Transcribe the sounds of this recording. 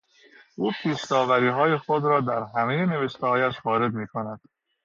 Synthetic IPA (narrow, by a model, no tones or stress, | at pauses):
ʔuːpʰiːʃt̪ɒːvæɾiːɦɒːje̞xo̞d̪ɾɒːd̪æɾɦæmeje̞ne̞veʃt̪ʰehɒːjæʃvɒːɾe̞d̪miːkʰo̞næd̪̥